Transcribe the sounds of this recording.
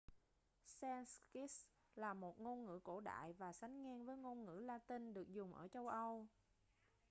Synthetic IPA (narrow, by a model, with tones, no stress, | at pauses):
sɛ˧nski˦˥s | laː˨˩mo˨˩t̚ŋo˧nŋɨ̰˧˥ko˧˩ɗa̰ː˧˨jvaː˨˩sa˨˦ŋ̟ŋɛ˧nvəː˨˦jŋo˧nŋɨ̰˧˥laː˧t̪ï˧nɗɨ˨˩ək̚zʊ˨˩ŋ͡mʔə̰ː˧˩t͡ɕə˧wʔə˧w